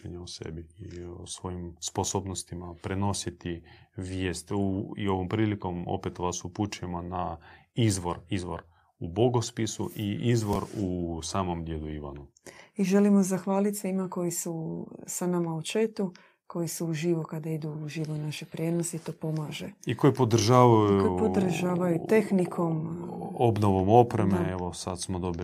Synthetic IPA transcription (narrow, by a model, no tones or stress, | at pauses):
ḛɲaosḛbiiosʋo̞jimsposoːbnost̪imapɾeno̞sit̪iʋjeːst̪uḭo̞ʋompɾiːliko̞mo̰pet̪ʋasuput͡ʃuemonaizʋo̞ɾizʋo̞̰ɾ | uboɡospisuʔiizʋo̞ɾusaːmomd̪jed̪uiʋa̰nuiʒe̞limo̞zaxʋaːlit̪sʋimako̞jisusanamaut͡ʃe̞t̪u | ko̞jisuuʒiʋokad̪aid̪uuʒiʋonaʃepɾʲjed̪noseit̪oːpo̞maːʒeiko̞jipod̪r̩ʒaːʋajuukopod̪r̩ʒaːʋajut̪e̞xnikʰo̞mobnoʋomo̞pɾemeeʋosad̪smod̪o̞bi